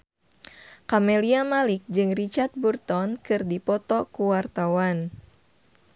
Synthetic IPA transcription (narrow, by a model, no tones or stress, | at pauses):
kamɛliamalik̚d͡ʒɨŋrit͡ʃart̪̚burt̪ɔnkɨrdipɔt̪ɔkuwart̪awan